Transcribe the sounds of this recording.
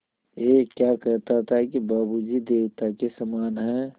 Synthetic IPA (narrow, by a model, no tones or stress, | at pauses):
jekjaːkəɾt̪aɦt̪aɦɛkibaːbud͡ʒid̪eːwt̪akesəmaːnɦɛ̃ː